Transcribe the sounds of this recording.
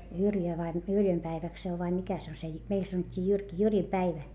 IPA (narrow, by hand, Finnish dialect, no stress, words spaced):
jyrjø ʋɑi m yrjøm pæiʋæk se oʋ ʋɑi mikæ se o se jy meil sɑnotʲːiː jyrki jyrim pæiʋæ